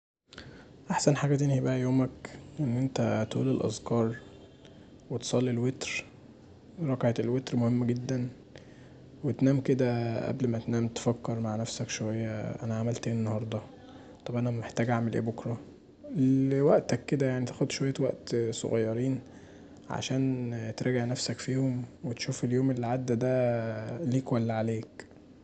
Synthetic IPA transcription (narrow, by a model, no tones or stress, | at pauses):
ʔaħsænħaːɡæt̪enhibæʔæjoːmækʔenːʔent̪æt̪ṵːlelʔɑ̰zkɑːɾˤ | wet̪sˤɑlːilwet̪ɾ | ɾˤɑkʕet̪elwet̪ɾmohemːɡed̪ːæn | wet̪næːmked̪æʔæ̰blmæt̪næːmt̪e̥fækːeɾˤmaʕnæfsækʃowæjːæʔæ̰næʕamælt̪eːnenːɑhɑɾˤd̪ˤɑ | t̪ˤɑbʔænæmeħt̪æːɡʔaʕmelʔḛːbokɾˤɑ | lwæʔt̪ækːed̪æjaʕnit̪æ̥xod̪ʃowæjːæwæʔt̪so̰ɣɑjːɑɾiːn | ʕa̰ʃæːnt̪ɾˤæɡeʕnæfsækfiːhomwet̪ʃuːfeljoːmelːʕad̪ːæd̪æ | liːkwælːæʕaleːk